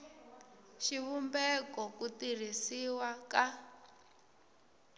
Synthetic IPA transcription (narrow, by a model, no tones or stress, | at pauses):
ʃiβumbɛkɔkutir̤isiwaka